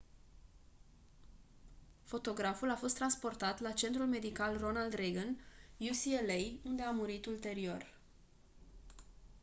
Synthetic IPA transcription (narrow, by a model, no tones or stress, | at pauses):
fo̞t̪o̞ɡɾafulafo̞st̪ːɾanspo̞rt̪at̪lat͡ʃe̞nt̪ɾulme̞d̪ikalro̞nald̪ɾeɡənjusielejund̪eamuɾit̪ult̪e̞ɾio̞r